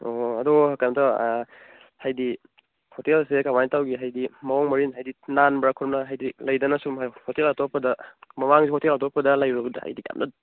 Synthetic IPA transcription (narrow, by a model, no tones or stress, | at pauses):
oɐdɔakamtɔ | hajdi | hotelsekamantawɡiɦajdimɐɔŋmɐɾinɦajdinanbɾakʰuɾɔmnɐɦajdilɐjdɐnɐsumɦahotelatɔpɐdɐmɐmaŋzihɔtelatɔpɐdɐlajɾuɡdɐha̰jdika̰mna̰d